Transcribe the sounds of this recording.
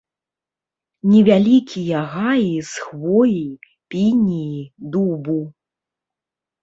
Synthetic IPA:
nʲɛvʲalʲikʲijaɣajisxvɔji | pʲinʲijid̪ubu

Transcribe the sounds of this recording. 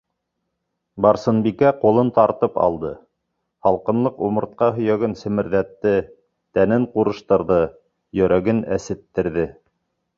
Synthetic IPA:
bɑɾsɤ̆nbikæqulˠɤnt̪ɑɾt̪ɤpɑ̰lˠd̪ɤ | hɑlˠqɤ̆nlˠɤqumɤ̆ɾt̪̚qɑɦɵ̆jæɡɘnsɘ̆mɘ̆ɾðæt̪ːɘ | t̪ænɘɴquɾɤ̆ʃt̪ɤ̆ɾðɤ | jɵ̆ɾæɡɘnæ̰sɘ̆t̪ːɘ̆ɾðɘ

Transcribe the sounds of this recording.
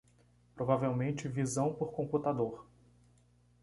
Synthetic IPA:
pɾovavewmẽnt͡ʃɪvizɐ̃w̃poɾkõmput̪ad̪oɾ

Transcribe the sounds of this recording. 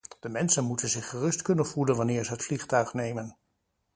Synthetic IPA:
d̥əmɛnsənmutənzɪχːərɵstkɵnənv̥ulənʋɑnɪːɹzəɦətfliχtœɥχnejmən

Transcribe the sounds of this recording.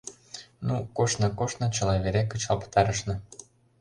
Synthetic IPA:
nukoʃnɤ̆koʃnɤ̆t͡ɕə̆lɑβeɾekət͡ɕɑlpə̥t̪ɑɾəʃnɤ̆

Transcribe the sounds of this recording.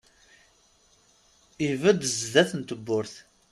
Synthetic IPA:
ivəd̪zðæθənt̪əbːʊɾθ

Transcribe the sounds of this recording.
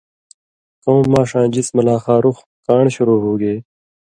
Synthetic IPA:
kõːaːʂãːd͡ʑismɐlaːxaːɾux | kaːɳɕuɾoːɦuːɡeː

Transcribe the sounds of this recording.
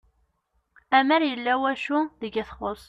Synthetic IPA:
æməɾjəlːæwæʃuðəɡæθχosˤ

